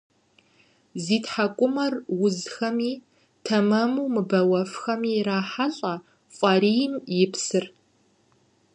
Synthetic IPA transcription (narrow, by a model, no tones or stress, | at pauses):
ziːtħakʷʼʊmɐrwʊzxɐmiː | tʰɐmɐmuwmɨbɐwɐfxɐmiːraːħaɬʼɐ | fʷʼɐɾijɪmjɪpsɨr